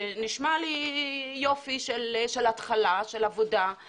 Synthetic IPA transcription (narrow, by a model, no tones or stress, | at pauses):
niʃmalijofiʃelʃelat̪χalaʃelavoda